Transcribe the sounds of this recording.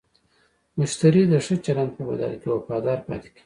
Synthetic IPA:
mʊʃt̪aɾid̪əʂət͡ʃaland̪̚pəba̰d̪ɑ̰lkewafɑd̪ɑɾpɑ̰t̪e̥ki̥

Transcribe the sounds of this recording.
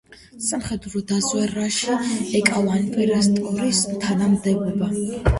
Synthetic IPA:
samχɛd̪ɾɔd̪azwɛɾaʃiɛkʼalˠanvɛɾɛst̪ʼuɾist̪ʰanamd̪ɛbɔba

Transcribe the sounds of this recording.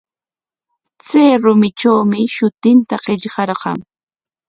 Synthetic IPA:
t͡seːɾʊmɪt͡ʃawmɪʃʊt̪ɪnt̪aɢeʎɢɑɾɢɑ̰ŋ

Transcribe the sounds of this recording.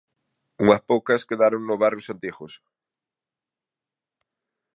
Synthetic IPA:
uŋɐspowkɐskeðaɾoŋnʊβarjʊsant̪ixos

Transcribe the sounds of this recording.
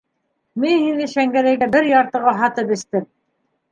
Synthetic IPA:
minhinɘʃæŋɡæɾæjɡæbɘɾjɑɾt̪ɤ̆ʁɑɦɑt̪ɤpɘ̆st̪ɘm

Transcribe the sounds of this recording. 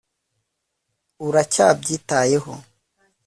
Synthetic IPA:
uɾacab̚ɟitaːjeho̰

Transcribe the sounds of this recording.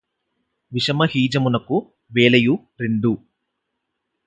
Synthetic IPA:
ʋiʃɐmɐɦiːd͡ʒɐmunɐku | ʋeːlɐju | ɾeɳɖ̪u

